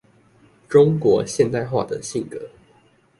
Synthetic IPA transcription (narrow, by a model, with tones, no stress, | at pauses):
ʈ͡ʂʊ˥ŋkwɔ˧˥˦ɕjɛ˥˧nt̪a˥˧ɪxwa̰˥˩d̪ə˨˩ɕi˥˩ŋkɤ˧˦